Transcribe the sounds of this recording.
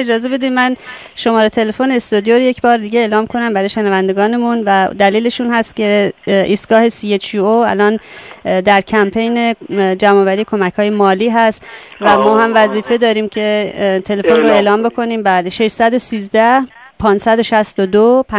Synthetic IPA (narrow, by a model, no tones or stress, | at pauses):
ed͡ʒɒːze̞be̞d̪imæn | ʃo̞mɒːɾet̪ʰe̞le̞foneːst̪od̪joɾojecʰbɒːɾd̪iːɟeeːlɒːmkʰo̞næmbæɾɒːjeʃenævænd̪e̞ɡɒːne̞munvæd̪æliːle̞ʃuːnhæst̪ce̞ʔiːst̪ɡ̥ɒːhe̞sijet͡ʃʰioæ̰lɒːnd̪æɾcʰæmpʰe̞jned͡ʒæmɒːvæɾiːekʰo̞mæchɒːje̞mɒːliːɦæst̪ | væmɒːhæmvæziːfe̞d̪ɒːɾiːmcʰe̞t̪ʰe̞le̞fo̞nroe̞ːlɒːmbo̞kʰo̞niːmbæːleʃe̞ʃsæd̪osiːzd̪æh | pʰɒːnsæd̪oʃæst̪od̪opʰ